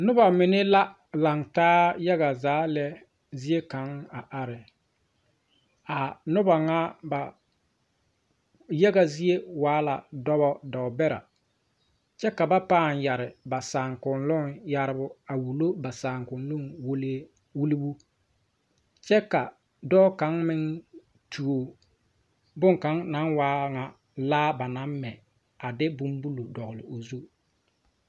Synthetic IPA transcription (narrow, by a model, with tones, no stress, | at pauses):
nʊ˦ba˨mɪ˨nɪ˦la˦ | la˨ŋtaː˦ja˦ɣa˨zaː˨˦lɛ˦ | zi˦e˦ka˨˦ŋa˨ʔa˨ɾɪ˨ | a˨nʊ˦ba˨ŋa˦ba˨ | ja˦ɡa˨zi˦e˦waː˨˦la̰˨dɔ˦bɔ˦dɔ˨ʊ˨bɛ˦ɾa̰˨ | t͡ʃɛ˦ka˨ba˦paː˦˨nja˨ɾɪ˨ba˨saː˨ŋkʊ˨nlʊ˦ŋja˦ɾɪ˦bʊ˦a˨wu˨lo˦ba˨saː˨ŋkʊ˨nlʊ˦ŋwo˦le˦ | wu˦li˦bu˦ | t͡ʃɛ˦ka˨ | dɔː˦ka˨˦ŋmɪ˦ŋ | tʰu˨o˨ | bʊ˦ŋka˨˦ŋna˨˦ŋwaː˦ŋa˨ | laː˦ba˨na˨˦mmɛ˨ | a˨dɪ˦bʊ˦mbu˦lu˨dɔ˨ɣʊ˨lɪ̰˨o˨zu˦